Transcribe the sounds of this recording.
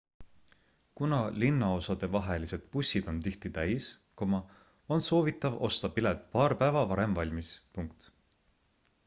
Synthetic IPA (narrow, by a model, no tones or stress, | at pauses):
kunɑlinːɑo̞sɑd̪̥e̞vɑɦe̞lise̞d̪̥pusʲːid̪̥o̞nt̪iht̪it̪æjskomɑ | o̞nso̞ːvit̪ːˑɑvo̞st̪ɑpilelt̪̚ˑpɑːɾpæevɑvɑɾe̞mvɑlʲmispuŋk̚t̪